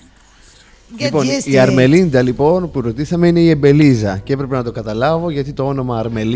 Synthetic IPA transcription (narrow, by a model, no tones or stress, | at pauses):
ipo̞nniɐɾme̞lind̪ɐlipo̞npuɾo̞t̪isɐme̞ine̞ie̞mbe̞lizɐceepɾe̞penɐt̪̬okɐt̪ɐlɐvo̞ʝɐt̪it̪oo̞no̞mɐːɾme̞l